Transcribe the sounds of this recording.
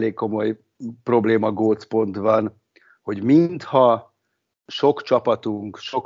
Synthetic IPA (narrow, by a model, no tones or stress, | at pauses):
leːkkːo̞mo̞j | pro̞bleːmɒɡoːspo̞nt̪ʋɒn | ho̞ɟminnt̪hɒ | ʃo̞kt͡ʃɒpɒt̪uŋkʃok